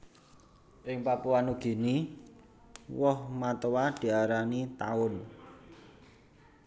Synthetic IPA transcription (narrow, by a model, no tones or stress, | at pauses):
ʔɪŋpapuanuɡ̥i̤ni | wɔhmat̪əwad̪̥i̤aɾanit̪a̰ʊn